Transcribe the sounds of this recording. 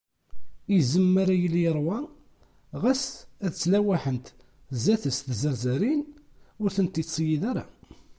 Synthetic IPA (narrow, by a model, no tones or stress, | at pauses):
izəmːaɾajəlːjəɾˤwæ | ʁæsæðt͡sːlæwæħənt̪ | zæθəsθzəɾzɾin | ʊɾθənt̪it͡sːjiðæɾa̰